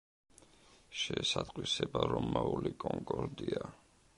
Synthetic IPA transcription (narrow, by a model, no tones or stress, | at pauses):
ʃɛsat̪ʼqʼwisɛbaɾɔmːaulikʼɔŋkʼɔɾd̪ia